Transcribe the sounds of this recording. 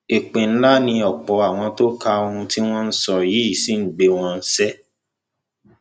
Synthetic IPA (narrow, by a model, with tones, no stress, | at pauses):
e˨k͡pẽ˨n̩˦la˦nĩ˧ɔ˨k͡pɔ˨˧a˨w̃ɔ̃˧to˦ka˧o˧ũ˧ti˦w̃ɔ̃˦n̩˦sɔ˦ji˨˦i˦˨si˦n̩˦˨ɡ͡be˧w̃ɔ̃˧n̩˦sɛ˦